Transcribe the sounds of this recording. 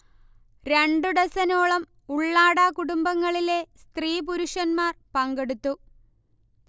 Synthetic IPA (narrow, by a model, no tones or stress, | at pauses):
ɾe̞ɳɖuɽɐsɐnoːɭɐm | uɭːaːɽaːkuɽumbɐŋːɐɭilest̪riːpuɾuʂɐnmaːrpɐŋɡe̞ɽut̪ːu